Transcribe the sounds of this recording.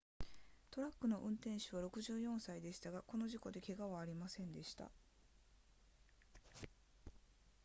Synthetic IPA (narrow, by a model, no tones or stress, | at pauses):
t̪o̞ɾakːɯ̟no̞ʔɯ̟̃nt̪ẽ̞ɰ̃ɕɨβ̞aɾo̞kɯ̟ʑɨːjõ̞ɰ̃said̪e̞ɕi̥t̪aɡako̞no̞ʑiko̞d̪e̞ke̞ɡaβaːɾʲimasẽ̞nd̪e̞ɕi̥t̪a̰